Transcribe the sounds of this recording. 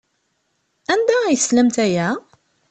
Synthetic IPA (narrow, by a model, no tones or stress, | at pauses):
ænd̪æjəslæmt̪æjæ